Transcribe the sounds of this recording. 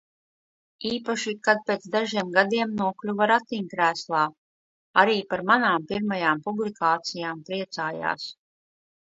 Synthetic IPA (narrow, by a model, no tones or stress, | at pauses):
iːpaʃikad̪̚pʲeːt̪sd̪aʒiɛmɡad̪iɛmnuɔklʲuvaɾat̪iɲkɾæːslˠaː | aɾiːpaɾmanaːmpiɾmajaːmpublikaːt̪sijaːmpɾiɛt̪saːja̰ːs